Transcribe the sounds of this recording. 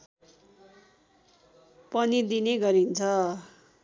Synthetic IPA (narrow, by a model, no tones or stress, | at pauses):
pʌnid̪ineɡʌɾint͡sʰʌ